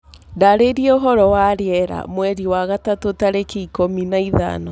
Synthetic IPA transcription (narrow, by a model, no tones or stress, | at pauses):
daɾeɾiɛoɦɔɾɔwaɾeɛɾa̰mwɛɾiwaɣatatotaɾekeikominaiða̰nɔ